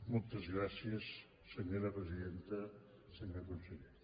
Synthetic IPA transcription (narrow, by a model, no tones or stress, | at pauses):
mɔlˠt̪əzɣɾasiəsː | əɲoɾəpɾəziðent̪ə | seɲəkunseʎe